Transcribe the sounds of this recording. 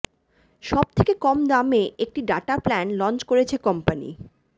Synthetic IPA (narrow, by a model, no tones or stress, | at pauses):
ʃɔb̚t̪ʰekekɔmd̪ameʔek̚ʈiɖaʈaplænlɔnt͡ɕkoɾet͡ɕʰekɔmpanḭ